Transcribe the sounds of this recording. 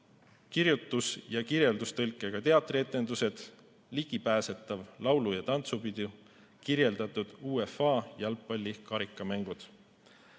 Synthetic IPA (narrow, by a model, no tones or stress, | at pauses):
kiɾjut̪ːˑusjɑkiɾje̞ld̪ust̪ɤlkːˑeɡ̥ɑt̪e̞ɑt̪ːˑrie̞t̪ːˑe̞nd̪use̞d̪̥ | liɡ̥ipæːse̞t̪ːˑɑvlɑwlujɑt̪ɑnt̪supid̪̥ʲu | kiɾje̞ld̪̥ɑt̪ːˑud̪̥uːefɑːjɑlpːˑɑlʲːikɑɾikːˑɑmæŋɡ̥ud̪̥